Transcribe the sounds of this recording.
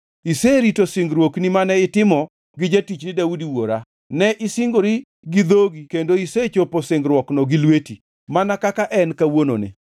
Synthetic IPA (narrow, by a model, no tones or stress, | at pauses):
iseɾitosɪŋɡɾwoknimanɛɪtɪmɔ | ɡɪd͡ʒetit͡ʃnɪdaudiwoɾa | nɛʔɪsɪŋɡoɾi | ɡɪd̪oɡikendoiset͡ʃoposɪŋɡɾwɔknɔɡɪlweti | manakakaʔɛnkawono̰nɪ̰